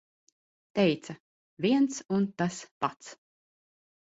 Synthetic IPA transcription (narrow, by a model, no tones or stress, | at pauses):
t̪ɛjt̪sɐ | vʲiɛnt̪sunt̪aspat̪s